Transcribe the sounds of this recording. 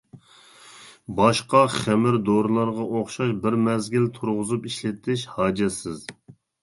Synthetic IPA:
bɑʃqɑχæmɪɾd̪oɾlˠɑɾʁɑʔoχʃɑʃbɪɾmɛzɡʲilt̪ʰuɾʁʊzupiʃlɪt̪ʰːɪʃhɑːd͡ʒɛsɪz

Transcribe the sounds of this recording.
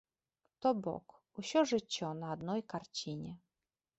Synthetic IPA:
t̪ɔbɔ̰k | uɕɔʐɨt͡ɕːɔnaːd̪nɔjkart͡ɕiɲʲɛ

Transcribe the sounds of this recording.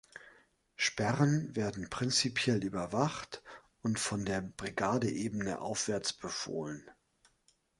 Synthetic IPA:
ʃpɛʁənveːɐdn̩pʁ̥ɪnt͡sipʰjɛlʔyːbɐvaχt | ʊntfɔndeːɐbʁiɡaːdəʔeːbənə̰ʔa̰ʊfv̥ɛɐt͡sb̥əfo̰ːlən

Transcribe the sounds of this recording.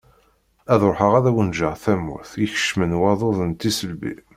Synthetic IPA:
æðɾħəʁæðæwənʒəʁθæmːṵθiçə̥ʃmənwɑðˤoðənt̪ːisəlbḭ

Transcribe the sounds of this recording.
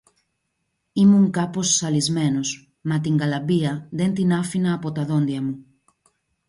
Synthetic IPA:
imuŋkɐpo̞sːɐlizme̞nos | mɐt̪iŋɡɐlɐbiɐðe̞nt̪inɐfinɐːpo̞t̪ɐðo̞nd̪iɐmu

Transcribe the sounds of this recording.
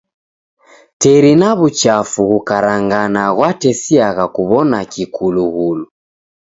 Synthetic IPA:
tɛɾinaβut͡ʃafuɣukaɾaŋɡanaɣwatɛsiaɣakuβɔnakikʰuluɣulu

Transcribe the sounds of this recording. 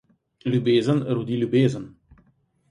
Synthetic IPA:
lʲubeːzənɾud̪ilubeːzən

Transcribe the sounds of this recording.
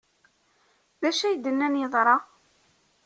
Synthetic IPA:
ðæʃæjd̪ənːænjəðˤɾˤɑ

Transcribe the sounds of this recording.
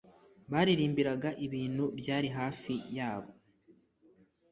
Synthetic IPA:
βaːɾiɾiːmbiɾaɡaʔiβiːn̥hubjaːɾiɦaːfijaːβo̞

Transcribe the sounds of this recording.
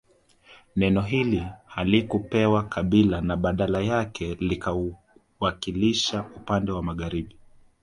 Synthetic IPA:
nɛnɔɦilihalikupɛwakʰaɓilanaɓaɗalajakʰɛlikau | wakiliʃaupandɛwamaɠaɾiɓi

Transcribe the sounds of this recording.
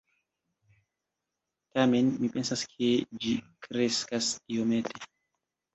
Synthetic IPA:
tame̞nmipe̞nsaskʰe̞d͡ʒikɾe̞skasiome̞tʰe

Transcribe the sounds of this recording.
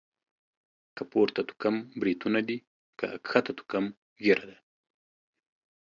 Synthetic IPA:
kapoɾt̪at̪u̥kambɾit̪unad̪i | ka̰a̰kxat̪at̪u̥kam | ɣeɾad̪a

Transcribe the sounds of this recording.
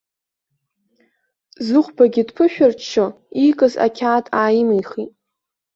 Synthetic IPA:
zɨχʷbaɡʲɪdpʰɨʃᶣart͡ʃt͡ʃʰːo | ikʼɨza̰kʲʰaːtʼaːjmijχitʼ

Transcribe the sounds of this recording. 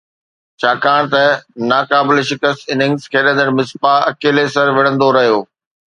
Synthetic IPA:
t͡ɕʰaːkaːɽ̃t̪ɐnaːkaːbɪlʃɪkəst̪ɪnɪ̃ŋɡzkʰeːɗə̃nd̪əɽmɪspaɐkeːlesɐɾʋɪɽə̃nd̪oɾɐɦijoː

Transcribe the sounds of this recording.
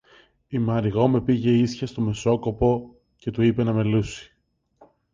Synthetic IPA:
imɐɾiɣo̞me̞piʝe̞isçɐst̪o̞me̞so̞ko̞po̞ | ce̞t̪uipe̞nɐme̞lusi̥

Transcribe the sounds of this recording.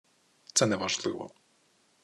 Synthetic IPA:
t̪sɛnɛʋaʒlˠɪʋɔ̰

